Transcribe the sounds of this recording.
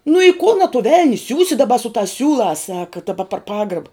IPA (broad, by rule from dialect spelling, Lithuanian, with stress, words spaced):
nʊ ɪ kʊn ɐ tʊ ˈʋʲɛlʲnʲɪ ˈsʲuːsʲɪ dɐˈbɐ sʊ tɑːs ˈsʲuːlˠɑːs ˈsɑːkɐ dɐˈbɐ pɐr ˈpɑːɡrɐbɐ